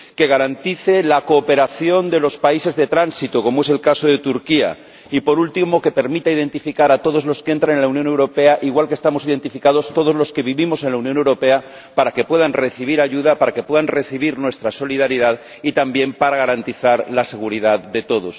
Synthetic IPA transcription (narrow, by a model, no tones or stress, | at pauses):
ke̞ɣaɾant̪iθe̞lakoːpe̞ɾaθjo̞nd̪e̞lo̞spaise̞zðe̞t̪ɾansit̪oko̞moe̞se̞lkaso̞ðe̞t̪uɾkia̰ | ipo̞ɾult̪imo̞ke̞pe̞ɾmit̪aið̞ẽ̞nt̪ifikaɾat̪oð̞o̞zlo̞skeent̪ɾaŋenlaunjonewɾo̞pe̞aʔiɣwalkest̪amo̞siðe̞nt̪ifikað̞o̞st̪o̞ð̞o̞zlo̞ske̞β̞iβimo̞se̞nlaunjone̞wɾope̞a | paɾake̞pwe̞ðanre̞θiβ̞iɾaʝuðapaɾake̞pwe̞ðanre̞θiβ̞iɾnwe̞st̪ɾaso̞liðaɾiðað | it̪ambje̞mpaɾaɣaɾant̪iθaɾlase̞ɣ̞uɾiðaðde̞t̪o̞ðos